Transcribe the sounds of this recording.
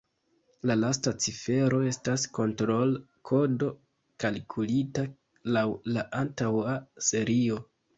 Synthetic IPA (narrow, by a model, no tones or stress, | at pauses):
lalastat͡sife̞ɾo̞e̞stasko̞ntɾo̞l | kʰo̞do̞ | kalkʰulita | lawlaʔantawase̞ɾio̞